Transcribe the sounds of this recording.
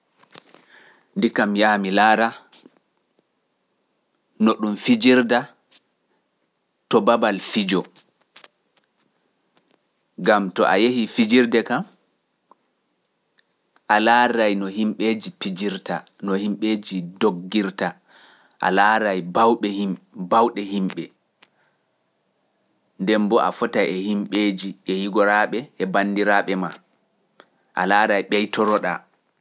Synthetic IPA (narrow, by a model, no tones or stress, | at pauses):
ndikamjaːmilaːɾa | nɔɗumfid͡ʒiɾda | tɔbabalfid͡ʒɔ | ɡamtɔ̰ʔa̰jehifid͡ʒiɾdɛkam | ʔalaːɾajnɔɦimɓed͡ʒipid͡ʒiɾta | nɔhimɓed͡ʒidoɡːiɾta | ʔa̰laːɾajbawɓɛhimbawɗɛɦimɓɛ | ndɛmbɔʔa̰fɔtajɛhimɓeːd͡ʒiɛhiɡɔɾaɓɛːbandiɾaɓɛma | ʔalaːɾajɓɛjtɔɾɔɗa̰